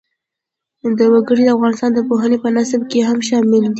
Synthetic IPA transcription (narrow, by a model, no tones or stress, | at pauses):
d̪əwaɡəɽid̪əafɣɑnɪst̪ɑnd̪əpoɦənepənasəbkeɦamʃɑmɪld̪i